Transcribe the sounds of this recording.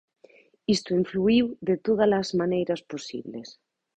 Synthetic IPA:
ist̪oiɱfluiwðet̪oð̞alazmãnejɾasposḭβles

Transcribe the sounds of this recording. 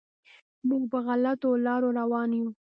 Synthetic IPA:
muɡpəɣalat̪olɑɾoɾawɑnju

